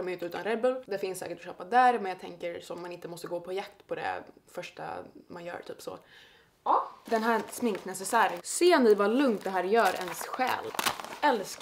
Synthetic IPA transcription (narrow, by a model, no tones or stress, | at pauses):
mɛʏnt̪əʉ̟ːt̪anɾɛbəld̪ɛfɪnsɛ̰ːkəʈɔɕøːpad̪æːɾmɛnjaɡ̚t̪ʰɛŋkəɾsɔmːanɪnt̪əmɔst̪əɡoːpʰɔjakt̪pʰɔd̪ɛ̰ | fœʂʈa̰manjœ̰ːɾt̪ʰyːpsɔ̰ | d̪ɛnɦæːsmɪŋknasəsæːɾənseːnɪvalɵŋt̪̚d̪ɛɦæːɾjœːɾɛ̰nsɧɛ̰ːlɛlsk